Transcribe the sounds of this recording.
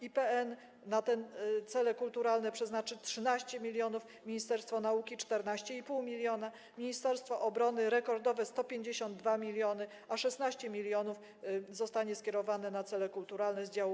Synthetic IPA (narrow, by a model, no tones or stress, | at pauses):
ipɛɛnː | at̪ɛnt̪sɛlɛkult̪uɾalnɛpʂɛznat͡ʂɘtʂɘnaɕt͡ɕɛmʲilʲjɔnuf | mʲiɲist̪ɛɾst̪fɔnaukʲit͡ʂt̪ɛɾnaɕt͡ɕɛipuwmʲilʲjɔna | mʲiɲist̪ɛɾst̪fɔʔɔbɾɔnɘɾɛkɔɾd̪ɔvɛst̪ɔpʲjeɲd͡ʑeɕɔnd̪̚ːvamʲilʲjɔnɘ | aʂɛsnaɕt͡ɕɛmʲilʲjɔnuf | zɔst̪aɲɛskʲjɛɾɔvanɛnat̪sɛlɛkult̪uɾalnɛzd͡ʑaw